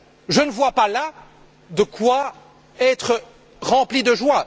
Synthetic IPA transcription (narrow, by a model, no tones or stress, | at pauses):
ʒənəvwapala | d̪əkwa | ɛt̪χə | ʁɑ̃plid̪əʒwa